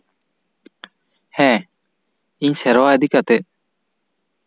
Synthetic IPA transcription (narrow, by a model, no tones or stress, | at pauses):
hɛ̃ | iɲsɛɾwaəd̪ʱikat̪e